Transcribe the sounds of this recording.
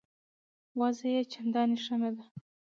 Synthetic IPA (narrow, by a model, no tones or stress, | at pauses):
wɑzajet͡ʃand̪ɑniʂamed̪a